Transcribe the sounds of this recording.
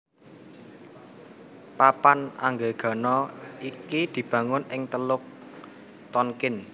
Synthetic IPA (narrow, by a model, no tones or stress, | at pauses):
papana̰ŋɡeɡ̥a̤nɔikid̪̥i̤b̥ä̤ŋʊnɪŋt̪əlʊk̚ | t̪ɔnkɪn